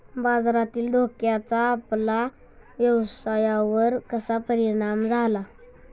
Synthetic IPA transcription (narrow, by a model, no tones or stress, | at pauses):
bad͡zɾat̪iːld̪ʱokjat͡saːpla | ʋjəwsajaʋəɾkəsapəɾiɽ̃amd͡zʱala